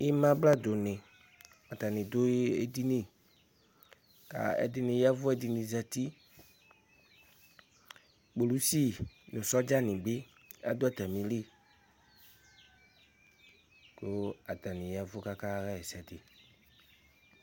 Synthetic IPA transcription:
i˦mã˦bla˦d̪o˨nɪ̃˨ | a˨t̪a˨nɪ̃˨d̪o˦e˦d̪i˦nĩ˨ | ka̰˨ɛ̰˦d̪ɪ˦nɪ̃˨ja˦vʊ˦ɛ˦di˨nĩ˨za˨t̪i˦ | k͡po˨lu˦si˦nʊ̃˨sɔ˦d͡ʒa˦nɪ̃˨ɡ͡bɪ˦ | a̰˦d̪o˦a˦˨t̪a˨mĩ˨li˦˨ | ko˦a˨t̪a˨nɪ̃˨ja˦vʊ˦ka˦ka˦ɣa˦ɛ˨sɛ˨d̪ɪ˨

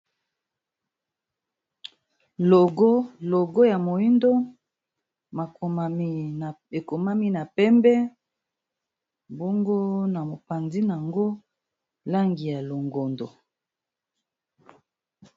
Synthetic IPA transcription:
lo˨ɡo˦lo˨ɡo˦ja˨mo˨i˦ndo˦ | ma˨˦˨ | e˨ko˨ma˦mi˦na˨pɛ˦mbɛ˦ | bo˦ŋɡo˦na˨mo˨pa˨ndi˦na˨ŋɡo˦ | la˦ŋɡi˨ja˨lo˨ŋɡo˨ndo˨

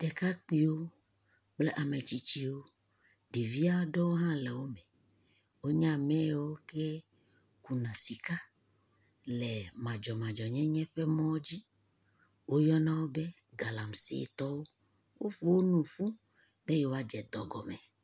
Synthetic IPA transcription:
tɛ˨ka˦k͡pi˦wo˦ | k͡ple˦ʔa˨me˨t͡ɕi˦t͡ɕi˦wo˦ | ɖi˨vi˦a˦ɖɔ˦wo˦ɦã˦lɛ˨wo˦mɛ̃˨ | wo˦ɲã˦mɛ̃˦˨wo˦ke˦ | ku˨nã˨si˨ka˦ | lɛ˨mã˨d͡ʒɔ˨mã˨d͡ʒɔ˨ɲɛ̃˦ɲɛ̃˦ɸe˦mɔ̃˦d͡ʑi˦ | wo˦jɔ˦nã˦wo˦be˦ | ɡa˨la˨m˨sḛ˦˨t̪ɔ˦wo˦ | wo˦ɸu˦wo˦nũ˨ɸu˦ | be˦je˨wo˦a˦d͡ʒɛ˨d̪ɔ˨ɡɔ˨mɛ˨

